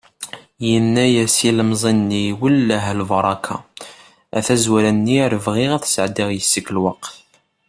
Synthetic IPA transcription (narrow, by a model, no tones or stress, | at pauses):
jənːæjæsiləmzˤinːiwəlːəɦlvɑɾˤɑkʰɑ̰ | æθæzwæɾænːiɾəvʁiʁæθsəʕd̪iʁjəsːəklwɑqθ